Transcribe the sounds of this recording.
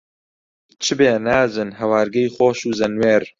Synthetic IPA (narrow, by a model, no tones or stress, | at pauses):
t͡ʃʰɨbeːnaːzɨnɦɐwaːɾɡɐjχoːʃuːzɐnweːɾ